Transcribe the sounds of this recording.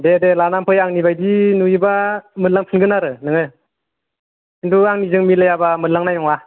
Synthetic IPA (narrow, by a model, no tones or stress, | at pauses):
dedelanampʰɯjaŋnibajdinuibamɯnlaŋpʰɯnɡɯnaɾɯnɯŋɯ | induaŋnizɯŋmilajabamɯnlaŋnajnɔŋa